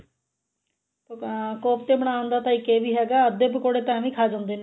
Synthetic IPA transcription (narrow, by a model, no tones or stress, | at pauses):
t̪oːkoːpt̪eːbəɽaːʋənd̪aːt̪aːĩːkeːʋiːɦɛːɡaːəd̪eːpəkoːɽeːt̪ɛ̃ːʋĩːkʰaːd͡ʒãːnd̪eːne